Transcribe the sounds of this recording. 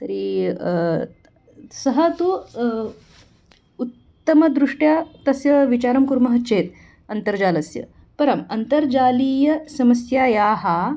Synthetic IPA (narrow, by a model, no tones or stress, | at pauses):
t̪ɐɾi | sɐɦɐt̪u | ut̪ːəmɐd̪ɾuʂʈjat̪ɐsjɐʋit͡ɕaɾɐmkuɾmɐɦɐt͡ʃeːt̪̚ | ɐnt̪əɾd͡ʑaːlɐsjə̰ | pɐɾɐmɐnt̪əɾd͡ʑaːliːjɐsɐmɐsjajaːɦa